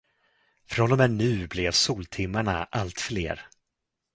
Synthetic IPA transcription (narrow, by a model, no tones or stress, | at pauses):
fɾɔnɔmɛnːʉ̟ːblɛvsuːlt̪ʰɪmːaɳa̰ʔalt̪flḛːɾ